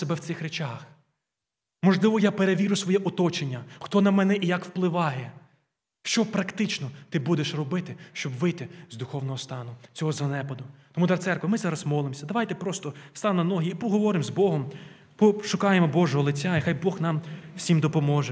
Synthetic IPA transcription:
sebɛw̪sɪxɾet͡ʃax | mɔʒlˠɪʋɔjapeɾeʋʲiɾʊsʋɔjɛʔɔt̪ɔt͡ʃenʲːɐxt̪ɔnɐmɛnɛʔijɐkwplˠɪʋɑjɛ | ʃt͡ʃɔpɾɐkt̪ɪt͡ʃnɔt̪ɪbud̪eʃrɔbɪt̪ɪʃt͡ʃɔbʋɪt̪ɪzd̪ʊxɔwnɔɦɔst̪ɑnʊt͡sʲɔɦɔzɐnɛpɔd̪ʊt̪ɔmud̪ɑrt̪sɛrkʋɪmɪzɑɾɐsmɔlˠɪmsʲɐd̪ɐʋɑjt̪ɛpɾɔst̪ɔst̪ɑnnɐnɔɦiːpɔɦɔʋɔɾɪmzbɔɦɔm | pɔʃʊkɑjemɔbɔʒɔɦɔlˠɪt͡sʲːaixɑjbɔxnɑmwsʲimd̪ɔpɔmɔʒɛ

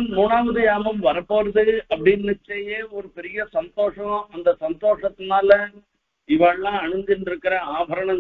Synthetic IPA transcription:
muːɳaːʋɐðɯjaːmɐmʋɐɾɐpːoːɾɐðɯɐpːɐɽɪnːɪt͡ʃːɐjeːɔɾɯpɛɾɪjɐsɐnt̪oːʂɐ̃ɐnd̪ɐsɐnt̪oːʂɐt̪ːɯnaːlɐ | ɪʋaːɭlãːɐɳɯnd̪ɪnɖɪɾɯkːɪɾɐaːbʱɐɾɐɳɐ

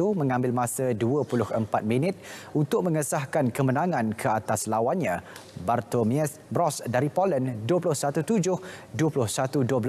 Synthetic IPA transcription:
umə̃ŋãmbɪlmãsəduəpulʊhəmpat̪̚minɪt̪̚unt̪ʊk̚mə̃ŋəsahkankəmənãŋãnkʰəat̪aslawanɲãbart̪omɛs | bɾɔsdaɾipolənduəp̬ulʊhsat̪ut̪ud͡ʒʊhduəpulʊhsat̪uduəbl

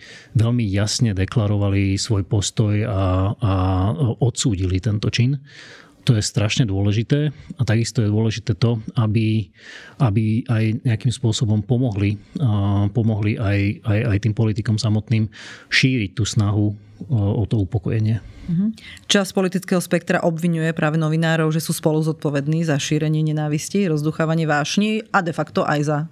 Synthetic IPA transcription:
ʋɛʎmijasɲɛd̪ɛklaɾɔʋalisʋɔjpɔst̪ɔjaː | ɔt̪suːɟilit̪ɛnt̪ɔt͡ʃin | t̪ɔjɛst̪ɾaʃɲɛd̪ʊɔlɛʒit̪ɛːat̪aɡist̪ɔjɛd̪ʊɔlɛʒit̪ɛːt̪ɔabi | ʔabiʔajɲɛakimspʊɔsɔbɔmpɔmɔɦli | pɔmɔɦliʔajajajt̪iːmpɔlit̪ikɔmsamɔt̪niːmʃiːɾic̚t̪uːsnaɦu | ɔt̪ɔupɔkɔjɛɲɪɛm̩ɦ̩t͡ʃaspɔlit̪it͡skɛːɦɔspɛk̚t̪ɾa̰ʔɔbʋiɲujɛpɾaːʋɛnɔʋinaːɾɔʊʒɛsuːspɔluzɔt̪̚pɔʋɛd̪niːzaʃiːɾɛɲɪɛɲɛnaːʋisciɾɔzd̪uxaːʋaɲɪɛʋaːʃɲiad̪ɛfakt̪ɔʔajza

